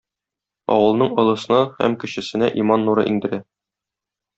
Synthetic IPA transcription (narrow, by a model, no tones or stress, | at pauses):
ɒ̰wɤ̆lˠnɤɴɤ̆lˠɤ̆sɤ̆nɤhæ̰mkɘ̆ɕɘ̆sɘ̆næʔimɑnːuɾɤ̰ʔiŋd̪ɘ̆ɾæ